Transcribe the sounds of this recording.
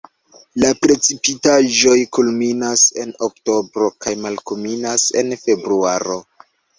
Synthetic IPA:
lapɾe̞t͡sipitaʒo̞jkulminase̞nokto̞bɾo̞kajmalkominase̞̰nfe̞bɾuaɾo̞

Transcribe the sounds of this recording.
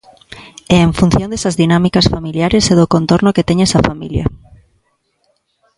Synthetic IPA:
ɛeɱfun̟θjõnd̪esazðinamikasfamiljaɾeseðokont̪oɾnoket̪eɲesafamiljɐ̰

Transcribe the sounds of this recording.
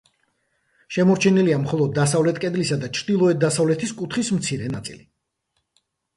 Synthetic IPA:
ʃɛmɔɾt͡ʃʰɛniliamχɔlˠɔd̪ːasavlɛt̪ʰkʼɛd̪lisad̪at͡ʃʰɾd̪ilˠɔɛt̪̚d̪asavlɛt̪ʰiskʼut̪ʰχismt̪sʰiɾɛnat̪sʼḭli

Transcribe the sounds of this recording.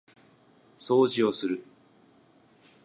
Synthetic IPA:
so̞ːʑio̞sɨɾɯ̟

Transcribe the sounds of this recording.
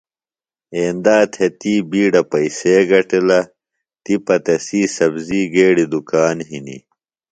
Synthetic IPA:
eːnd̪aːt̪ʰet̪iːbiːɖɐpɐiseːɡɐʈilɐ | t̪ipɐt̪ɐsiːsɐbziːɡeːɽid̪ukaːnɦinḭ

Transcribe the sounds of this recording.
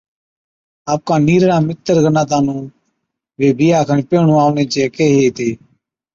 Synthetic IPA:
aːp̚kaːniːɾɽãːmɪt̪ːəɾɡənãːt̪̬aːnũː | ʋeːbʱɪjaːkʰəɳpeːɳũːaːʋɳẽːt͡ʃeːkeːɦeːt̪eː

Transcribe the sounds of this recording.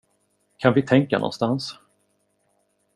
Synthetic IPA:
kʰanvɪt̪ʰɛŋkanɔ̰nst̪ans

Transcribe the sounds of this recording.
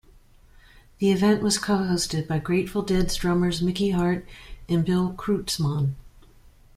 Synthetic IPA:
ðiɨvɛ̃nʔwʔʌz̥kʰoʊhoʊstɨd̚baɪɡɹeɪtfl̩ˠdɛdzdɹʌmə˞zmɪkiɦɑɹɾɨ̃nbɪlˠkʰɹ̥ʉtsmɑ̃n

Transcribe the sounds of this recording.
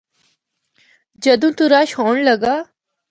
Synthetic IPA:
d͡ʒəd̪ũːt̪uɾaːʃhoːɳləɡaː

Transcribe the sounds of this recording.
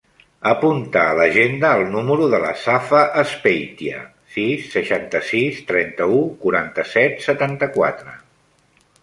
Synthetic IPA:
əpunt̪aːləʒend̪əːlˠnuməɾuðələ̰safəʔəspejt̪iə̰ | sisːəʃant̪əsist̪ɾɛnt̪əukuɾant̪əsɛt̪sət̪ant̪əkwat̪ɾə

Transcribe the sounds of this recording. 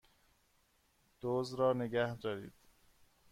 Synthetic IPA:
d̪̥oːzɾɒːneɡæhd̪ɒːɾiːd̪̥

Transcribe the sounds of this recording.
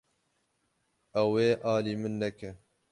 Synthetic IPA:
ɛweːʔɑːliːmɨnːɛkɛ

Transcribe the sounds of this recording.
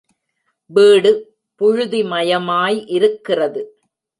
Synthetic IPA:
biːɽɯ | pʊɻʊðimɐjɐmaːjʔɪɾɯkːɪrɐðɯ

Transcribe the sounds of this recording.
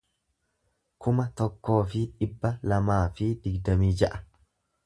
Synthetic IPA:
kʰʊmɐt̪ɔkːo̞ːfɪᶑɪbːɐlɐmaːfɪd̪ɪɡd̪ɐmiːd͡ʒɐʔɐ̥

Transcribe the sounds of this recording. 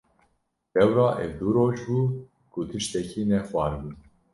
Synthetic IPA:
d̥ɛwɾɑːʔɛ̰vd̪uɾoːʒbuː | kʰut̪ʰɨʃt̪ɛkiːnɛxwɑːɾbuː

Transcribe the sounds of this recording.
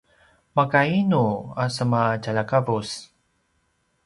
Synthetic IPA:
makainuasəmat͡ʃalakavus

